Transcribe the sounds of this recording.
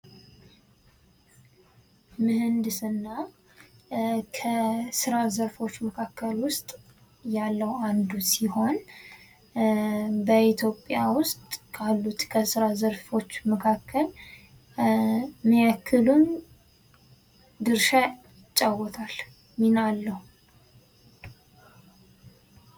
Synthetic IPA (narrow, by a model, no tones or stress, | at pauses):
mɨhɨnd̪ɨsɨnːa | kʰəsɨɾazəɾfo̞t͡ʃːməkʰakʰːəlwʊst̪ʼ | jalːəwand̪usiho̞n | bəit̪ʰjo̞pʼːjawʊst̪ʼkʰalːut̪kʰəsɨɾazəɾfo̞t͡ʃːməkʰakʰːəl | mijakʰːɨlun | d̪ɨɾʃa | ɪt͡ʃʼːawɔt̪ʰal | minalːəhu